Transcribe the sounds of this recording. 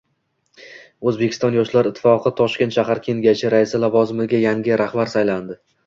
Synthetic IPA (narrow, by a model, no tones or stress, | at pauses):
ɵzbe̞kʲʰɪ̥st̪ɒnjɒʃlaɾɪt̪ʰːɪ̥fɒqʰɨt̪ʰɒʃk̪ʲt̪ʃaɦaɾkʲʰe̞ŋɡʲat͡ʃɪɾaɪsɪlavɒzɪmɪɡʲajaŋɡʲɪɾahbaɾsajland̪ɪ